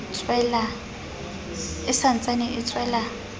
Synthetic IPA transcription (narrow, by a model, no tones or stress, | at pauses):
t͡sʰʼwɛla | ɪsant͡sʼanɪʔɪt͡sʰʼwɛːla